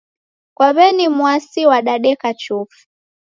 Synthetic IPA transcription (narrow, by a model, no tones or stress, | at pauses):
kwaβɛnimwasiwaɗaɗɛkat͡ʃufi̥